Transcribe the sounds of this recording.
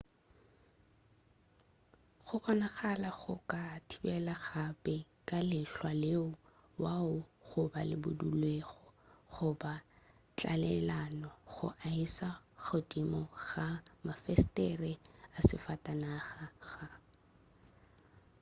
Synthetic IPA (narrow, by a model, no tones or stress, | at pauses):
χʊbɔnaχalaɣʊ̰kʼatʰibɛlaɣapɛkʼalɪɬwaleʊ | waʊɣʊbalɪ̰bʊ̰dulweɣɔχʊba | t͡ɬʼa̰lɛlanɔɣʊ̰ʔaisaɣodimɔɣamafɛstɛrɛasɪfatʼanaχaɣa